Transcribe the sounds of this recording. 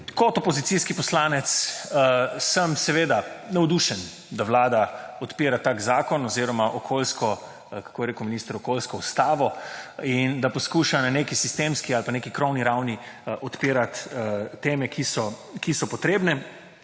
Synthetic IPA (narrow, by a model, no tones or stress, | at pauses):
kɔt̪ɔpɔzit̪siskipɔslaːnɛt̪s | səmsɛʋeːd̪anɛwd̪uʃɛn | d̪aʋlaːd̪aɔt̪piːɾat̪aːkzaːkɔnɔziːɾɔmaʔɔkʰoːlskɔ | kḁkʰoːjɾeːkuminiːst̪əɾɔkolskɔust̪aːʋɔind̪apɔskuːʃananekisist̪emskialpanekikɾɔwniɾawniʔɔt̪piːɾat̪ːeːmɛkʰisɔkisɔpɔt̪ɾeːbnɛ